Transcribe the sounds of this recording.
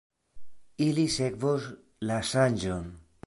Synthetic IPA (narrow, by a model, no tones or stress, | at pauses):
ilisekβos | lasanʲʒon